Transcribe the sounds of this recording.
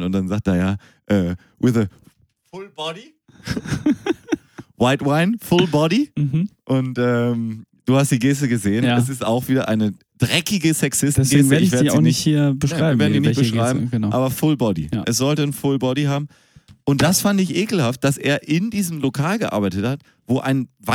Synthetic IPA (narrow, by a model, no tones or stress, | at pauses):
nʊntd̥anzaːk̚t̚deɐjaː | ʔɛː | wɪðə | fʊlbɔɾi | waɪtwaɪnfʊlbɔɾiʔʊntʔɛːm | d̥uːhastd̥iːɡeːs̬təɡəzeːənɛsɪsta̰ʊxv̥iːdɐʔa̰ɪnə | d̥ʁɛkɪɡəsɛksɪstnɡeːseɪçveɐinɪçthiːɐb̥əʃaaɪmveɐdniːnbəʃʁ̥aɪbm̩ənaʔaːbɐfʊlbɔdḭjʔɛs̬z̥ɔltənfʊlbɔɾihaːbm̩ | ʔʊnt̚d̥asfandɪçʔeːkl̩haft̚d̥asʔḛːɐʔɪndiːzəm̩lokʰaːlɡəʔa̰ɐbaɪtəthat | v̥oːʔa̰ɪnva